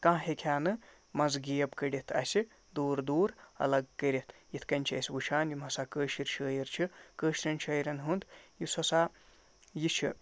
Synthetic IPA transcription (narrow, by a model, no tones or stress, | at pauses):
kãːɦekʰʲaːnɨ | mɐzɡijɐbkəɾit̪ʰɐ̰si | d̪uːɾd̪uːɾɐ̰lɐɡkəɾit̪ʰjit̪ʰkɐnʲt͡ʃʰiɐ̰sʋut͡ʃʰaːnjimɐsaːkəːʃiɾt͡ʃʰəːjiɾt͡ʃʰikəːʃɾʲɐnt͡ʃʰːjɾɐnɦund̪jisɐsaː | jit͡ʃʰi